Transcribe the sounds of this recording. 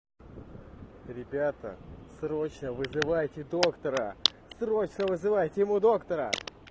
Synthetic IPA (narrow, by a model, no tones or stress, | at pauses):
ɾʲɪbʲat̪ə̰sɾo̞t͡ɕnəvɨzɨvajtʲɪd̪okt̪əɾə | sro̞t͡ɕnəvɨzɨvajtʲɪjɪmud̪o̞kt̪əɾə̰